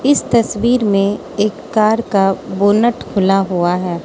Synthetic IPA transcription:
ɪst̪ɐswiːɾmẽ | eːkːaːɾkaboːnəʈkʰʊlaɦuaɦɛː

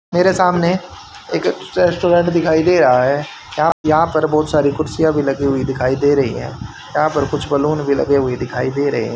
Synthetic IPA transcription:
meːɾesaːmne | eːkɾɛːsʈoːɖɛ̃ːɳʈd̪ɪkʰaːid̪eːɾɐɦaɦɛː | jɐɦãjɐɦãpɐɾbɔːt̪saːɾikʊʈsijãbʱilɐɡeɦʊid̪ɪkʰaːid̪eːɾɐɦḭɦɛ̰̃ː | jɐɦãpɐɾkʊt͡ʃʰbɐluːnbʱilɐ̰ɡeɦʊid̪ɪkʰaːid̪eːɾɐɦḛɦɛ̃

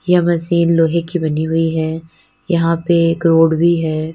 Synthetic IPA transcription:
jɐmɐsiːnloːɦekibɐniɦʊiɦɛː | jɐɦãpekɾoːɽbʱiɦɛː

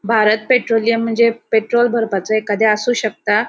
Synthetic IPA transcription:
bʱaɾət̪̚peʈɾolijəm̤əɳd͡zepeʈɾolbʱəɾpat͡səekad̪ʱeəsuːɕək̚t̪a

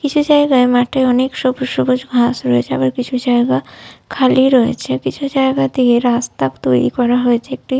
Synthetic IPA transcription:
kit͡ʃʰud͡ʒaeɡaemaʈʰeɔnekʃɔbʃobod͡ʑɡʱasɾɔet͡ʃʰea̰baɾkit͡ɕʰud͡ʒajɡakʰaliɾɔḛt͡ʃʰekit͡ʃʰud͡ʒaeɡat̪ieɾast̪akt̪oɾḭkɔɾaɦoet͡ʃʰeek̚ʈi

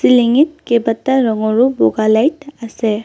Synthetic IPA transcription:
siliŋitkebataɹɔŋɔɹʊbɔɡalajtasɛ

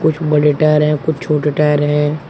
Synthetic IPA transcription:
kʊt͡ʃʰbɐɽeʈaːjɾɦɛ̃kʊt͡ʃʰt͡ʃʰoːʈeʈaːjəɾɦɛ̃

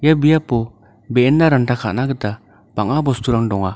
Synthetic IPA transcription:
jabijapɔ | bendaɾantʰakʰaʔnaɡəta | b̥aŋabɔst̪uɾaŋdɔŋa

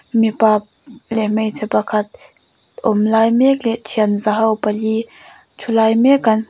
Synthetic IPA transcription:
mipap̚lɛmejt̪ʰɛpakʰɐt̪̚ | ʔɔmlajmɛk̚lɛʔtʰiaənzaɦɐwpɐli | t͡ʃʰulajmɛkɐn

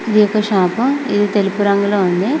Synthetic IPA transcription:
id̪ijɔkːɐʃaːpɐmid̪it̪e̞lipuɾɐŋɡuloːuɳɖ̪i

